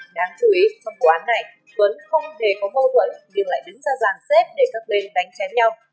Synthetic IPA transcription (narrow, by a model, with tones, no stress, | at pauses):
ɗaː˧˩ŋt͡ɕu˧˩ʔi˨˦t͡ɕɔ˧mɓo˨˩ʔaː˨˦nːa˨˩j | və˨˦nxə˧wŋ͡mt̪ʰe˨˩kɔ˨˦mə˧wt̪wə̰˧˨nɲɨ˧ŋla̰ː˧˨jɗɨ˨˦ŋzaː˧zaː˨˩ŋsɛ˦˥p̚ɗe˧˩kaː˦˥k̚ɓe˧nɗa˨˦jŋ̟t͡ɕɛ˨˦nɲa˧w